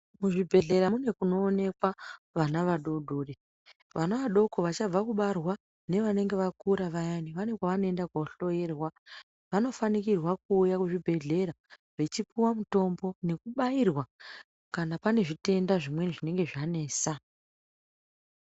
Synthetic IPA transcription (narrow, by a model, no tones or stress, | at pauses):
muʐibʱe̞ɮe̞ɾamune̞kuno̞ːne̞kwa | ʋanaʋaɗo̞ɗoɗe | ʋanaʋaɗo̞ko̞ʋat͡ʃab͡vakuɓarwa | ne̞ʋane̞ŋɡeʋakuɾaʋajaniʋane̞kwaʋano̞e̞ndakwoɬo̞je̞rwa | ʋano̞fanikirwak̚uːjakuʐibʱe̞ɮe̞ɾa | ʋe̞t͡ʃipiwamuto̞mbo̞ne̞kuɓairwa | kanapane̞ʐite̞ndaʐimwenʐine̞ŋɡe̞ʐane̞ːsa